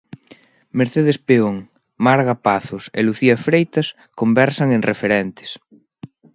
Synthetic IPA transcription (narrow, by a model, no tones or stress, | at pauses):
meɾθeðespeoŋ | maɾɣapaθʊsḛluθiɐfɾejt̪ɐs | kombɛɾsɐŋẽŋrefeɾɛnt̪e̥s